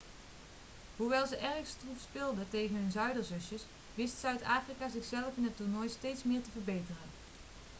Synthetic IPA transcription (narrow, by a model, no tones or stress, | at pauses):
ɦuʋɛlˠzəʔɛɹxstrufspɪlˠdətejχənɦɵnzœɥdəɹzɵsjəs | ʋɪstsœɥtaːfrikaːzɪχsɛləfɪnɦətʊɹnɔjstejtsmɪːɹtəvəɹbejtərən